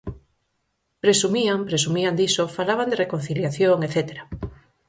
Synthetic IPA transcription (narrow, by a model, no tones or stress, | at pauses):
pɾesumiampɾesumiand̪isofalaβand̪erekon̟θiljaθjoŋeθet̪eɾa